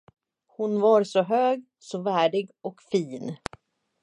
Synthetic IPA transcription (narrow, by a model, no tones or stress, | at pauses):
hʊnvaɾsɔɦøːɡ | sɔvæːɖɪɡɔkfiːn